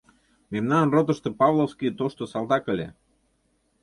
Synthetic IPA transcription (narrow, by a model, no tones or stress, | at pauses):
memnɑnrot̪ə̆ʃt̪ɤ̆pɑβlˠofskiət̪oʃt̪osɑlˠd̪ɑkə̆lʲḛ